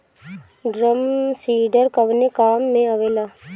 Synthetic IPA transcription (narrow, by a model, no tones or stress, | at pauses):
ɖɾəmsiːɖəɾkəʋnekaːmːẽəʋeːlaː